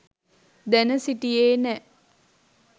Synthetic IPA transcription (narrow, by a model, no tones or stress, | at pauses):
d̪ænəsiʈijeːnɛ